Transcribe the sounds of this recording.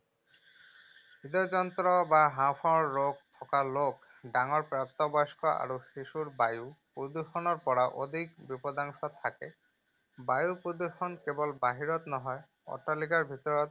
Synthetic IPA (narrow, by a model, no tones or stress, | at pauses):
bid̪ɔzɔnt̪ɹɔbaɦãpʰɔɹːoɡ̚t̪ʰɔkalok | daŋɔɹpɹap̚t̪ɔbɔjskɔʔa̰ɹuxisuɹbajupɹod̪uxɔnɔɹpɔɹaʔod̪ʱikbipɔd̪aŋsɔt̪ʰakɛ | bajupɹod̪uxɔnkɛbɔlbaɦiɹɔt̪nɔɦɔj | ɔ̰talikaɹbʱit̪ɔɹɔt̪